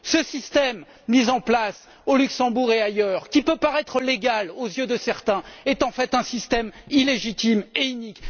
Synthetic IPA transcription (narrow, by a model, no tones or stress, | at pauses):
səsist̪ɛmː | izɑ̃plas | olyksɑ̃buʁeajœʁkʲipøpaʁɛt̪χəleɡalozjød̪əsɛʁt̪ɛ̃ɛt̪ɑ̃fɛt̪ɛ̃sist̪ɛmileʒit̪imeynik